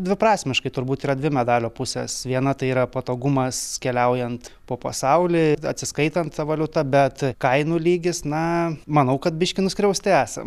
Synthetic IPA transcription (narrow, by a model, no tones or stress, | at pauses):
d̪ʲʋʲɪpɾɑːsʲmʲɪʃkɐɪt̪ʊɾbuːt̪iːɾɐdʲʋʲɪmʲɛd̪ɑːlʲoːpʊsʲɛ̰sʋʲiɛnɐt̪ɐɪiːɾɐpɐt̪oːɡʊmɐskʲɛlʲɛʊjɛnt̪poːpɐsɐʊlʲiːɐ̰t̪ʲsʲɪskɐɪt̪ɐnt̪t̪ɐʋɐlʲʊt̪ɐbʲɛt̪kɐɪnuːlʲiːɡʲɪsnɐmɐnɐʊkɐt̪̚bʲɪʃʲkʲɪnʊsʲkɾʲɛʊsʲt̪ʲɪæːsɐ̰m